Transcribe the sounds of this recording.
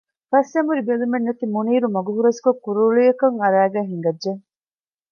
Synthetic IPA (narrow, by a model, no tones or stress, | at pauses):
fɐsemuɾibelumenːɐt̪imuniːɾumɐɡuɦuɾɐskokːuɾuɭujɐkɐŋɐɾæːɡæːɦiŋɡɐdʒeŋ